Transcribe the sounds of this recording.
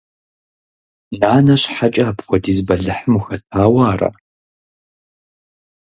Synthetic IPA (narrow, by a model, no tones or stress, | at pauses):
naːnɐɕħat͡ʃʼaːpχʷɔdizbɐɮɨħəmuxɐtʰaːwaːrɐ̰